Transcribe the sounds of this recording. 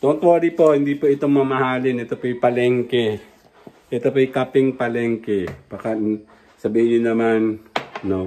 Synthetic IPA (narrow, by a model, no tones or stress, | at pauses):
t̪oʔoŋt̪ooːɾipohɪnd̪ipoɪt̪oŋmɐmahaːlɪnɛt̪opojpɐlɛŋkɛ | ʔɛt̪opojkapɪŋpɐlɛŋkɛb̥aka | sɐbiːɪɲɪnɐmanno